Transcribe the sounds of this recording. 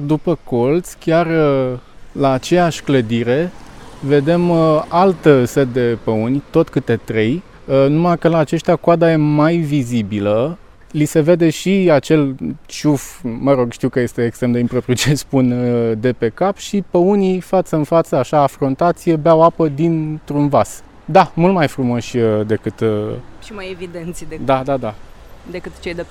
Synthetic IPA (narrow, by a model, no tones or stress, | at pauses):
d̪upəko̞lt̪sʲkʲar | laːt͡ʃe̞jaʃʲkləd̪iɾe̞ve̞d̪e̞malt̪set̪̚d̪e̞pəunʲt̪o̞t̪kɨt̪e̞t̪ɾe̞j | numakəlaːt͡ʃe̞ʃt̪ʲjakoad̪aje̞majvizibilə | lise̞ve̞d̪e̞ʃiat͡ʃe̞lt͡ʃufməɾo̞ɡʃt̪iwkəje̞st̪e̞ːkst̪ɾe̞md̪eimpɾo̞pɾiut͡ʃespund̪e̞pe̞kapʃipəunifat̪səɨnfat̪səaʃaːfɾont̪at̪sijebeawapəd̪int̪ɾunvas | d̪amult̪majfɾumo̞ʃʲəd̪e̞kɨt̪ʃimajevid̪ent̪sʲd̪ad̪ad̪a | d̪ekɨt̪t͡ʃejd̪e